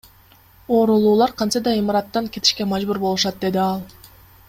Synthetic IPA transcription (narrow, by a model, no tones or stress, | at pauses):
o̞ːɾulˠuːlˠɑɾqʰɑnsɑd̪ɑimɑɾɑt̪ːɑŋket̪i̥ʃke̞mɑd͡ʒbuɾbo̞lˠuʃɑt̪̚d̪e̞d̪iɑlˠ